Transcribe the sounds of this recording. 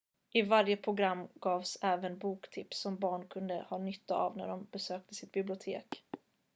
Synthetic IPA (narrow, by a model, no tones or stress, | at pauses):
ʔɪvaɾjəpʰɾʊɡɾamːɡ̥ɑːvsɛːvənbuːkt̪ʰɪpsːɔmbɑːɳkʰɵnd̪ə̰hɑːnʏt̪ːaa̰vnæ̰ɖɔmb̥ɛsøːk̚t̪əsɪt̪̚bɪblɪʊt̪ʰeːk